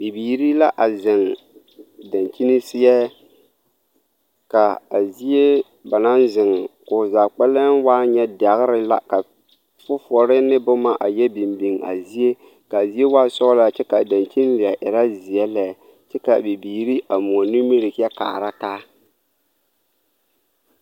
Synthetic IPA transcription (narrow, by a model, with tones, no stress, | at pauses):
bi˨biː˨ɾi˦la˦ʔa˨zɪ˨ŋ | da˨nt͡ʃi˦ni˦sɪ˦jɛ˦ | ka˨a˨zi˦e˦ | ba˨na˦nzɪ˨ŋkʊ˨zaː˨k͡pɛ˦lɛ˦nwaː˦ɲɛ˦da˨ɣɪ˦ɾɪ˦la̰˦ka˨ | fʊ˦fɔ˨ɾɪ˦nɪ˦bʊ˦ma˦ʔa˨jɛ˦bi˨mbi˨ŋa̰˨zi˦e˦ | ka˨zi˦e˦waː˦sɔ˦ɣla˨˦t͡ʃɛ˦ka˨da˨nt͡ʃi˦n˦lɪ˨a˨ʔɪ˨ɾa˦zɪ˨jɛ˦lɛ˨ | t͡ʃɛ˦ka˨bi˨biː˨ɾi˦ʔa˨mu˨ɔ˨nu˦mi˦ɾɪ˨kɛ˦ka̰ː˨ɾa˦taː˦